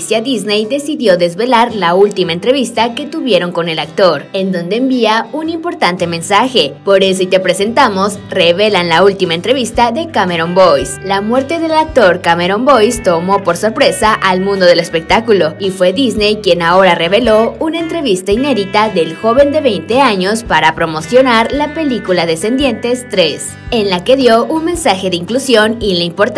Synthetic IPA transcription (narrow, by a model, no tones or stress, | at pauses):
sjaðiznejd̪e̞siðjo̞ðe̞zβe̞laɾlault̪imae̞nt̪ɾe̞βist̪ake̞t̪uβje̞ɾo̞ŋko̞ne̞lak̚t̪o̞ɾe̞nd̪o̞nd̪e̞ːmbiaunimpo̞ɾt̪ant̪e̞mẽ̞nsaxe̞po̞ɾe̞s̬oit̪e̞pɾe̞se̞nt̪amo̞sre̞βe̞lanlault̪imaent̪ɾe̞βist̪aðe̞kameɾo̞mbo̞jslamwe̞ɾt̪e̞ðe̞lak̚t̪o̞ɾkameɾo̞mbo̞jst̪o̞mo̞po̞ɾso̞ɾpɾe̞saʔalmũnd̪o̞ðe̞le̞spe̞k̚t̪akulo̞ifwe̞ðizne̞jkje̞nao̞ɾare̞βe̞lo̞unae̞nt̪ɾe̞βist̪aine̞ðit̪aðe̞lxo̞βe̞nd̪e̞βe̞jnt̪e̞aɲo̞spaɾapɾo̞mo̞sjo̞naɾlape̞likulaðe̞se̞nd̪je̞nt̪e̞st̪ɾe̞s | e̞nlake̞ðjo̞ʔunmẽ̞nsaxe̞ðeiŋklusjo̞nilaimpoɾt̪